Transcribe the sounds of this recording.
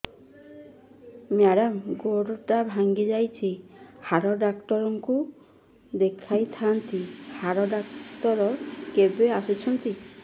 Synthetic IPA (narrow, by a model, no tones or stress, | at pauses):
maɽamɡoɽʈabʱaŋɡid͡ʒajt͡ʃʰihaɾɔɖakʈɔɾɔŋku | d̪ekʰajt̪ʰant̪ihaɾɔɖaktɔɾɔkebeasit͡ʃʰɔnt̪i